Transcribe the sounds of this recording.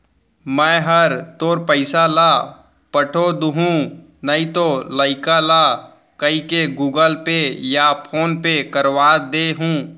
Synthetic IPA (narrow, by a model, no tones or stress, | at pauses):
mɛ̃ːɦɐɾt̪oːɾpəɪsalaː | pəʈʰod̪uɦũ | nɐĩt̪olaːɪkalaː | kɐikeɡuːɡəlpejapʰoːnpekəɾwaːd̪eɦũː